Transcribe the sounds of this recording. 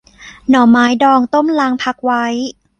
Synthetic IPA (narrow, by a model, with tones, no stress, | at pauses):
nɔː˩maː˨˦˥jdɔː˧ŋt̪o˥˩mlaː˧ŋpʰa˧k̚wa˦˥j